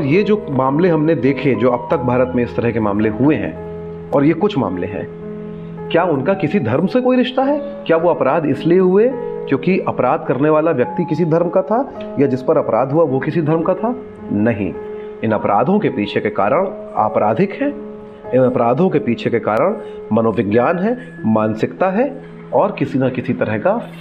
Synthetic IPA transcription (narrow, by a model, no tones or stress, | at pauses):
ɔːɾjed͡ʒoːmaːmleɦɐmned̪eːkʰed͡ʒoːɐb̚t̪ɐk̚bʱaːɾət̪mẽɪst̪ɐɾəɦkema̰ːmleɦueɦɛ̰̃ː | ɔːɾjekʊt͡ʃʰma̰ːmlḛɦɛ̰̃ː | kjaːʊnkakɪsid̪ʱɐɾmsekoːiɾɪʃt̪aɦɛː | kjaːʋoɐpɾaːd̪ɪslieɦʊekjõːkiʔɐpɾaːd̪̚ʱkɐɾneʋaːlaʋjɐk̚t̪ikɪsid̪ʱɐɾmkat̪ʰa | jad͡ʒɪspɐɾɐpɾaːd̪ʱɦuaʋokɪsid̪ʱɐɾmkat̪ʰa | nɐɦḭ̃ | ɪnɐpɾa̰ːd̪ʱõkepiːt͡ʃʰekekaːɾəɽ̃ | a̰ːpɾaːd̪ʱɪkɦɛː | ɪnɐpɾaːd̪ʱõkepiːt͡ʃʰekekaːɾəɽ̃ | mɐnoːʋɪɡjaːnɦɛ | maːnsɪkt̪aɦɛ | ɔːɾkɪsinakɪsit̪ɐɾəɦka